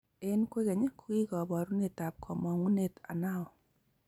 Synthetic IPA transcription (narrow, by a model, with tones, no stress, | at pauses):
e˦nkwe˦ke˨ɲe˦ku˦i˦kɔ˨bɔ˨ɾu˦ne˨ta˨p̚kʰɔ˨mɔ˨ŋu˦ne˨ta̰˨na˦ɔ˨